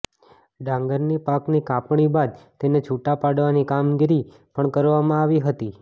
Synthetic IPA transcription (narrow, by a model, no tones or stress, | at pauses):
ɖãŋɡəɾnipaknikapɳibad̪̚t̪enet͡ʃʰuʈapaɽʋanikamɡiɾi | pəɳkəɾʋamãaʋiɦət̪i